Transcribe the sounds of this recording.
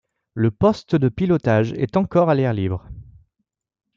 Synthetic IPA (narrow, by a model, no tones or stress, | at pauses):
ləpɔst̪d̪əpilɔt̪aʒɛ̰t̪ɑ̃kɔʁalɛʁlibʁə